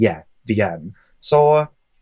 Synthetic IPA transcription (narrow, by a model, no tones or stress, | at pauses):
jæ | viɛ̃n | so